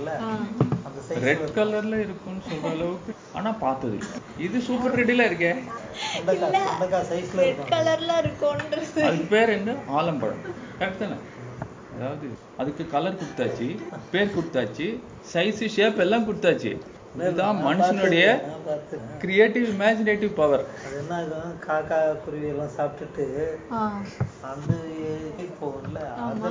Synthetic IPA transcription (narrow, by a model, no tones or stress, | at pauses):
lː | ɾɛʈkɐlɐɾlɐɪɾɯkːʊ̃nːɯsɔlrɐːɭɐʋɯkːɯ | a̰ːnaːpaːɾt̪ɐðɯ̰lːɐ̰ | ɪðɯsuːpɐɾɾɛɽilɐːɪɾɯk̬ːɛ̃ː | lːɐɐkasɐɪslʈkɐlɐɾlãːɪɾɯkːõnɾɐðɐðɯkːɯpeːɾɛndɯaːlɐmpɐ̰ɽɐ̰nfɐkt̪ɐnɐ̰ | ɐðaːʋɐðɯ | ɐðɯkːɯkɐlɐɾkʊɽɯt̪ːaːt͡ʃːɯpeːɾkʊɽɯt̪ːaːt͡ʃːɯ | sɐɪsɯʂeːpɛlːãːkʊɽɯt̪ːaːt͡ʃːɯ̰ | t̪ãːmmɐnsɐnʊɽɐjɐt̪ːɯkɾɪjeːʈːɪʋɪmaːd͡ʒɪneːʈːɪʋpɐʋɐɾɐðɯɛnːaːkːɐ̃kʰaːkaːkʊɾɪʋɪɛlːãːsaːp̚ʈɯʈːɯaɐnd̪ɯipoːʋɐlːɐaːɐðm